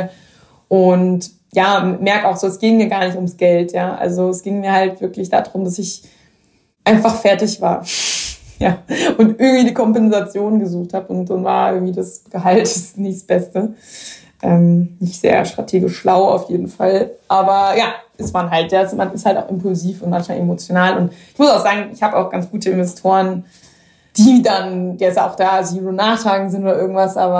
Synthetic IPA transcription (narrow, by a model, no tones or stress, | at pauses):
ʔʊnt | jaːmɛɐkaʊxz̥oːɛsɡ̥ɪːŋmiːɐɡaːɐnɪçtʊmsɡ̥ɛltjaːʔa̰lzoɛsɡ̥ɪŋmiːɐhaltv̥ɪɐklɪçd̥a̰dʁʊmdasɪç | ʔaɪnfaχfɛɐtɪçv̥a̰ːɐ | jaːʔʊntʔɪɐɡŋ̩tv̥iːdiːkʰɔmpɛnzat͡sjoːnɡəzuːxthaːbʊntz̥anvaːɐʔɪɐɡŋ̩tv̥iːdasɡ̥əɦaltɪsnɪçsb̥ɛstə | ʔɛmnɪçtz̥ḛːɐ̰ʃtʁ̥atʰeːɡɪʃːlaʊa̰ʊfjeːdn̩falʔaːbɐjaːʔɪstmanɦaltjaːsmanɪsthaltaʊxɪmpʊlziːfʊntmançmaːlʔemot͡sjonaːlʊntʔɪçmʊsaʊxz̥aːɡŋ̩ɪçhaːbəaʊxɡ̥ant͡sɡ̥uːtəɪnvɛstʰoːʁən | d̥iːdandeːɐɪsa̰ʊxd̥aːziːlonaːχtʰaːɡŋ̩zɪntoːɾɐʔɪɐɡŋ̩tv̥asʔaːbɐ